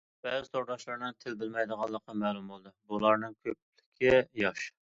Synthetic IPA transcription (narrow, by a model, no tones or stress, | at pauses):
b̥ɛzɪt̪ʰoɾd̪ɑʃlˠɑɾnɨŋt̪ʰɪlb̪ɪlmɛjd̪əʁɑlˠːəqːɑmɛːlˠumbolˠd̪ɨbulˠɑɾnɨŋkʲʰøplɪkʲʰɪjɑʃ